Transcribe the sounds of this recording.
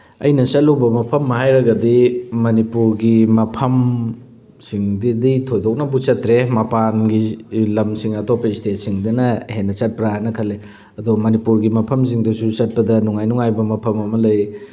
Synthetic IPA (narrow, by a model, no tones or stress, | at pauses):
ɐ̰jnɐsɐlːowbɐmɐpʰɐmːɐɦajɾɐɡɐdimɐnipuɾɡimɐpʰɐm | siŋdiditʰojdok̚nɐbut͡ʃɐtɾemɐpanɡilɐmsiŋɐtʰopːɐistet̚siŋdɐnɐhenːɐt͡ʃɐt̚pɾɐɦajnɐkʰɐlːe | ɐdomɐnipuɾɡimɐpʰɐms̬iŋdɐsut͡ʃɐt̚pɐdɐnuŋajnuŋajbɐmɐpʰɐmɐmɐlɐj